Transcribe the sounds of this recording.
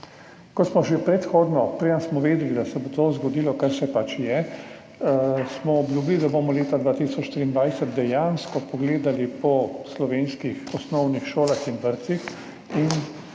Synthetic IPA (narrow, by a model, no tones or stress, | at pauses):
kɔtsmɔʒepɾɛt̪xoːd̪nɔpɾeansmɔʋeːd̪ɛlid̪asɛbot̪ozɡɔd̪ilɔkaɾsɛpat͡ʃjɛ | smɔɔbljuːbilid̪abomɔleːt̪ad̪ʋaːt̪isɔt͡ʃʃt̪ɾiːnd̪ʋajsət̪d̪ɛjanskɔpɔɡleːd̪alipɔslɔʋeːnskixɔsnɔwnixʃoːlaxinʋəɾt̪six | in